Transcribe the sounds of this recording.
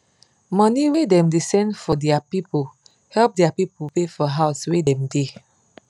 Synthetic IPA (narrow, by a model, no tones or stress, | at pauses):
mɔ̃niwedɛ̃mdisɛ̃ndfɔdɛapipə | hɛlp̚dɛapipəpefɔɦaʊswedɛ̃mde